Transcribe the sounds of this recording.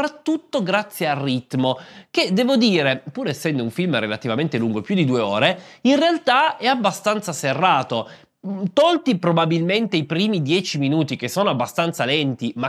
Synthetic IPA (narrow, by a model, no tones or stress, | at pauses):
pɾat̪ːut̪ːoɡɾat̪sːjearːit̪mok̟ed̪ɛːvod̪iːɾepuːɾesːɛnd̪ouɱfilmrelat̪ivament̪eluŋɡopjud̪id̪ueo̰ːɾeinrealt̪aɛabːast̪ant̪saserːaːt̪o | t̪ɔlt̪ipɾobabilment̪eipɾiːmid̪jɛːt͡ʃiminuːt̪ik̟esːoːnoabːast̪ant̪salɛnt̪ima